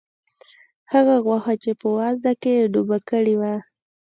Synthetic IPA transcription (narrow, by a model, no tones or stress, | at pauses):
haɣaɣwaxat͡ʃepəwɑzd̪akeɖubakəɽiwa